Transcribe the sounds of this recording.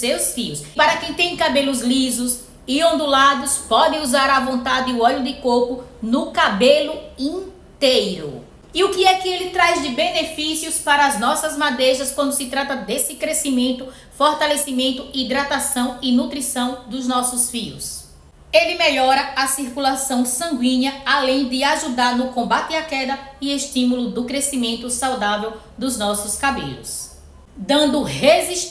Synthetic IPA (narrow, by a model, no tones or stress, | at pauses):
sewsfiʊspaɾɐkẽj̃t̪ẽj̃kabelʊzlizʊs | ɪõnd̪ulad̪ʊspɔd̪ẽuzaɾɐvõnt̪ad̪ɪʊɔʎʊd̪ɪkokʊnʊkabelʊĩ | t̪ejɾʊ̰ | iʊkɪɛkɪelɪt̪ɾajzd̪ɪbenefisiʊspaɾɐːznɔsɐzmad̪eʒɐskwɐ̃nd̪ʊsɪt̪ɾat̪ɐd̪esɪkɾesimẽnt̪ʊ | foɾt̪alesimẽnt̪ʊid̪ɾat̪asɐ̃w̃ɪnut̪ɾisɐ̃w̃d̪ʊznɔsʊsfiʊ̰s | elɪmeʎɔɾɐasiɾkulasɐ̃w̃sɐ̃ŋɡwĩɲɐalẽj̃d̪ɪaʒud̪aɾnʊkõmbat̪ɪakɛd̪ɐɪeʃt̪ĩmulʊd̪ʊkɾesimẽnt̪ʊsawd̪avew | d̪ʊznɔsʊskabḛʎʊ̰s | d̪ɐ̃nd̪ʊheziʃ